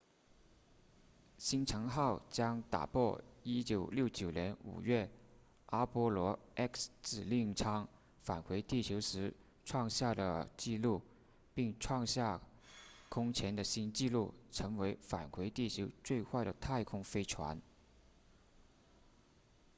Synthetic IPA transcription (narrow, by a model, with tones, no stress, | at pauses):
ɕi˥nʈ͡ʂʰɤ˧˥ŋxɑ˥˩ʊt͡ɕjɑ˥ŋt̪a̰˨˩pwɔ˥˩i˥t͡ɕjo˨˩ʊljo˥˩ʊt͡ɕjo˨˩ʊnjɛ˧˥nṵ˨˩ɥɛ˥˩ | a˥pwɔ˥lwɔ˧˥ɛ˥ksʈ͡ʂɻ̩˨˩li˥˩ŋʈ͡ʂʰɑ˥ŋ | fa˨˩nxwe˧˥ɪt̪i˥˩t͡ɕʰjo˧˥ʊʂɻ̩˧˥ | ʈ͡ʂʰwɑ˥˧ŋɕja˥˩d̪ə̰˩t͡ɕi˥˧lu˥˩ | pi˥˩ŋʈ͡ʂʰwɑ˥˧ŋɕja˥˩ | kʰʊ˥ŋt͡ɕʰjɛ˧˥nd̪ə˨ɕi˥nt͡ɕi˥˧lu˥˩ʈ͡ʂʰɤ˧˥ŋwe˧˥ɪfa̰˨˩nxwe˧˥ɪt̪i˥˩t͡ɕʰjo˧˥ʊt͡swe˥˧ɪxwa˥˩ɪɾə˩t̪ʰa˥˩ɪkʰʊ˥ŋfe˥ɪʈ͡ʂʰwa̰˧˥n